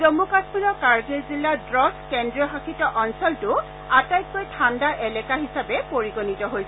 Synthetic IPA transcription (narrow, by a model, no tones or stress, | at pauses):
zomukasminɔkaɹɡeɹzilːadɹɔskɛndɹɔɦakʰitɔʔɔnsɔltʊ | atajk̚kojtʰandaʔɛlɛkaɦisabɛpoɹiɡonitɔɦojsɛ